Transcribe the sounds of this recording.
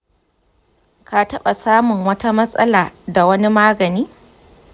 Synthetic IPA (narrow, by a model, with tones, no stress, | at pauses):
ka˨tɐ˦ɓa˨saː˦mʊ˨ŋwɐ˦ta˦mɐ˦sʼɐ̰˦laː˨da˨wɐ˦ni˦maː˦ɡɐ˨niː˦